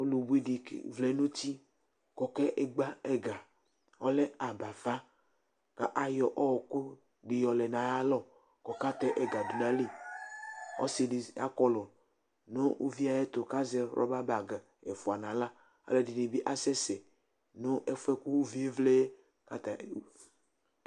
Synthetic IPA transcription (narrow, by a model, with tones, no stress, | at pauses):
o˦lu˨bu˦i˦dḭ˨vle˦nũ˦t̪i˦ | kɔ˨kɛ˦ʔe˦ɡ͡ba˦ɛ˦ɡa˨ | ɔ˦lɛ˦a˨ba˨fa˦ | ka̰˨ʔa˨jɔ˨ʔɔ˦wɔ˨ko˦ | ɖi˨jɔ˨lɛ˨nã˨ja˦lɔ˦ | kɔ˨ka˦t̪ɛ˦ʔɛ˨ɡa˨do˨nã˦li˦ | ɔ̰˦si˨di˨a̰˦kɔ˦lɔ˨ | no˦wṵ˦vi˦a˨je˦t̪o˨ka˦zɛ˦ɾʔɔ̰˦ba˦ba˨ɡa˨ | e˨fu˨a˨nã˨la˦ | a̰˦le˦di˨ne˨bi˦ʔa˦sɛ˦sɛ˨ | no˦ʔe˦fɛ˦ku˦wu˦vi˦e˦vle˦ | ka˦t̪a˨˦